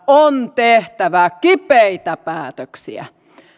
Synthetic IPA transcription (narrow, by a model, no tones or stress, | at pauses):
ont̪eht̪æʋækipeit̪æpæːt̪øksḭæ̰